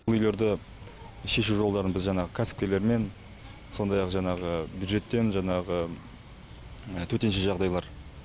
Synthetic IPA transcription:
lˠʏjle̞ɾd̪ɪ | ʃe̞ʃuʒo̞lˠd̪ɑɾənbɪzʒɑɴɑʁəkʲʰæsɪ̥p̚kʲe̞le̞ɾme̞n | so̞nd̪ɑjɑqʒɑɴɑʁəbʲjud̪ʒe̞t̪ːe̞nʒɑɴɑʁə | ət̪ʰɵt̪e̞nʃeʒɑʁd̪ɑjlˠɑɾ

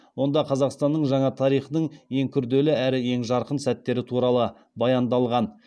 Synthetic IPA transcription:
wo̞nd̪ɑqʰɑzɑqst̪ɑnːəɴʒɑɴɑt̪ʰɑɾijχnəɴje̞ŋkʲʰʏɾd̪e̞lɪæɾɪje̞ŋʒɑɾqənsæt̪ːe̞ɾɪt̪ʰuɾɑlˠə | bɑjɑnd̪ɑlˠʁɑn

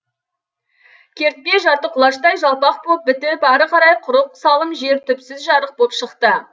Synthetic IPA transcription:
kʲʰe̞ɾt̪̚pe̞ʒɑɾt̪əqʰʊlˠɑʃt̪ɑjʒɑlˠpɑq̚pop̚bɪt̪ɪpɑɾəqʰɑɾɑjqʰʊɾəq̚sɑlˠəmʒe̞ɾt̪ʰʏpsɪzʒɑɾəq̚popʃəqt̪ə

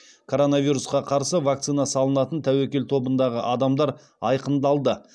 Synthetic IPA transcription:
kʰo̞ɾo̞naviɾusqɑqʰɑɾsəvak̚t̪sinɑsɑlˠənɑt̪ənt̪ʰæwekʲe̞lt̪ʰo̞bənd̪ɑʁəʔɑd̪ɑmd̪ɑɾ | ɑjqənd̪ɑlˠd̪ə

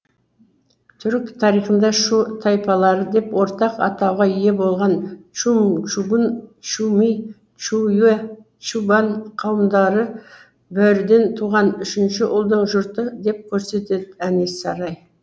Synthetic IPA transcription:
t̪ʰʏɾkt̪ʰɑɾijχənd̪ɑʃut̪ʰɑjpɑlˠɑɾəd̪e̞pwo̞ɾt̪ɑqɑ̰t̪ɑwʁɑʏje̞bo̞lˠʁɑnt͡ʃumt͡ʃubnt͡ʃumi | t͡ʃuje | t͡ʃubɑnqʰɑwəmd̪ɑɾə | bæɾɪd̪e̞nt̪ʰuʁɑnʏʃɪnʃɪʔʊlˠd̪əɴʒʊɾt̪əd̪e̞p̚kʲʰɵɾse̞t̪e̞d̪ɪænesɑɾɑj

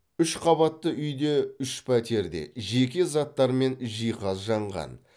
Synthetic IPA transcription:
ʏʃqʰɑβɑt̪ːəʔʏjd̪e̞ʏʃpʰæt̪e̞ɾd̪e̞̰ʒe̞kʲe̞zɑt̪ːɑɾme̞nʒijqɑzʒɑɴʁɑ̰n

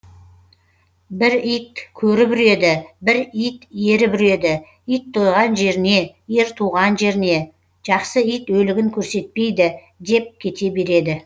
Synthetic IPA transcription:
bɪɾijt̪̚kʲʰɵɾɪbɪɾe̞d̪ɪbɪɾijt̪jeɾɪbɪɾe̞d̪ɪ | ijt̪ʰːo̞jʁɑnʒe̞ɾɪne̞je̞ɾt̪ʰuʁɑnʒe̞ɾɪne̞ | ʒ̥ɑqsəijt̪wɵlɪɡʲɪŋkʲʰɵɾse̞t̪̚pe̞jd̪ɪ | d̪e̞p̚kʲʰe̞t̪e̞be̞ɾe̞d̪ɪ

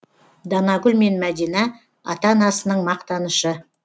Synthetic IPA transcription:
d̪ɑnɑɡʏlme̞nmæd̪ijnɑ | ɑ̰t̪ɑnɑsənəɴmɑqt̪ɑnəʃə

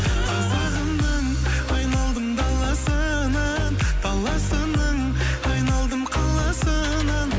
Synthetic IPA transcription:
qʰɑzɑʁəmnəɴ | ɑjnɑlˠd̪əmd̪ɑlˠɑsə | nɑ | nd̪ɑlˠɑsənəɴ | ɑjnɑlˠd̪əmqʰɑlˠɑsə | nɑn

